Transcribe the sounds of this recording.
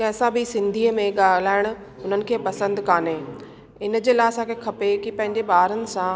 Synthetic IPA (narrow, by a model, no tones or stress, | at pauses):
kɛ̃ːsãbɪsɪ̃nd̪ʱiːəmẽɠaːlaːɪɽ̃ʊ̆ | ʊn̤ənɪ̆kʰeːpɐsə̃nd̪kaːneː | ɪnd͡ʑeːlaːɪɐsãːkʰekʰɐpekipɐ̃ɦɪ̃ɲd͡ʑebaːɾənɪ̆sã